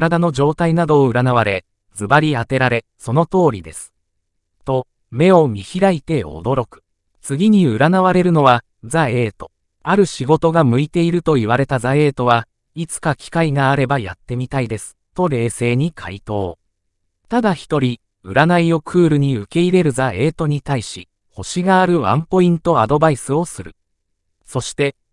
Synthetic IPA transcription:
ɾad̪ano̞d͡ʑo̞ːt̪ainad̪o̞ːɯ̟ɾanaβaɾe̞ | d͡zɨbaɾʲiat̪e̞ɾaɾe̞ | so̞no̞t̪o̞ːɾʲid̪e̞sɨ̥ | t̪o̞ | me̞o̞mʲiçiɾait̪e̞o̞̰d̪o̞ɾo̞kɯ̥ | t͡sɨɡʲiɲ̟iɯ̟ɾanaβaɾe̞ɾɯ̟no̞βa | d͡zae̞ːt̪o̞ | aɾɯ̟ɕiɡo̞t̪o̞ɡamɯ̟it̪e̞iɾɯ̟t̪o̞iβ̞aɾe̞t̪azae̞ːt̪o̞βa | it͡sɨ̥kakʲi̥kaiɡaːɾe̞baja̰t̪ːe̞mʲit̪aid̪e̞sɨ̥t̪o̞ɾe̞ːse̞ːɲ̟ikʰa̰it̪o̞ː | t̪ad̪açi̥t̪o̞ɾʲi | ɯ̟ɾanaijo̞kʰɯ̟ːɾɯ̟ɲ̟iɯ̟ke̞iɾe̞ɾɯ̟zae̞ːt̪o̞ɲ̟it̪aiɕi | ho̞ɕiɡaːɾɯ̟βã̰mpo̞ĩnt̪o̞ad̪o̞baisɨo̞sɨɾɯ̟ | so̞ɕi̥t̪e̞

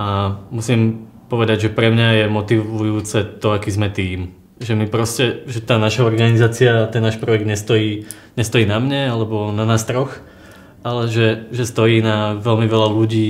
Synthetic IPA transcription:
amusim | pɔʋɛd̪aɟʒɛpɾɛmɲajɛmɔt̪iʋujuːt͡sɛt̪ɔakiːzmɛt̪iːm | ʒɛmipɾɔscɛʒɛt̪aːnaʃaɔɾɡanizaːt͡siat̪ɛnːaːʃpɾɔjɛɡd̪ɲɛst̪ɔjiː | ɲɛst̪ɔjiːnamɲɛalɛbɔnanaːst̪ɾɔx | alɛʒɛʒɛst̪ɔjiːnaʋɛlmiʋɛlaluɟiː

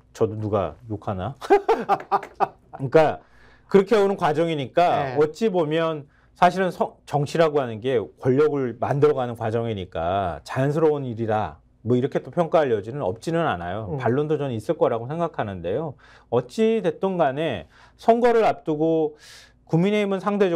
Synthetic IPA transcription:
t͡ɕʌdonuɡa̰jokʰana | ik͈a | kɯɾʌkʰeonɯnkwad͡ʑʌŋiɲik͈aʌt͡ɕ͈ibomjʌn | sʰaɕʰiɾɯnsʰʌt͡ɕʌŋt͡ɕʰiɾɦaɡoɦanɯnɡe̞kwʌʎːʌɡɯɭmandɯɾʌɣanɯnkwad͡ʑʌŋiɲik͈a̰t͡ɕajʌnsʰɯɾʌuniɾida̰ | mwʌiɾʌkʰe̞t͈opʰjʌŋk͈aɦaʎjʌd͡ʑinɯnʌ̰p̚t͡ɕ͈inɯna̰najopaɭːondot͡ɕʌnis͈ɯɭk͈ʌɾaɡosʰe̞ŋɡakʰanɯnde̞jo | ʌt͡ɕ͈ide̞t͈onɡane̞ | sʰʌŋɡwʌɾɯɾap̚t͈uɡo | kumːine̞imɯnsʰaŋdʰe̞d͡ʑ

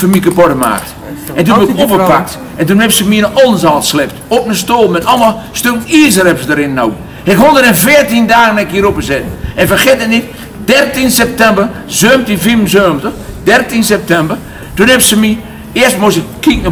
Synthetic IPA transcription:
fəmikəpɔdəma̰ːk̚t | ɛntuopəpak̚t | ɛntunɛpsəmiənɔlˠnsaːlˠtslɛp̚topnəstoːlˠmɛtɔlˠmalˠstøkəniəs̬ərɛpsədəɾɪnno̰w | ɪkhondədɛnfɪərtindaːɣənɛkiəɾopəzɛtn̩ɛnfəxɪtənɪt | dɛrtinsɛp̚tɛmbər | zøːmtifimzøːmtəxdɛrtinsɛp̚tɛmbər | tunhɛpsəmi | ɪərstmosɪkkːik̚nə

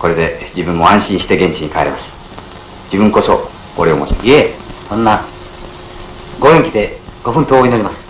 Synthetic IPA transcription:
ko̞ɾe̞d̪e̞d͡ʑibɯ̟̃mːo̞ãɰ̃ɕĩɰ̃ɕi̥t̪e̞ɡẽɲ̟t͡ɕiɲ̟ikaeɾemasɨ̥ | d͡ʑibɯ̟̃ŋko̞so̞ | oɾeo̰mot͡ɕimaiesõ̞nːa | ɡo̞ẽŋkʲid̪e̞ɡ̥o̞ɸɯ̟̃nt̪oːɲinoɾʲimasɨ̥

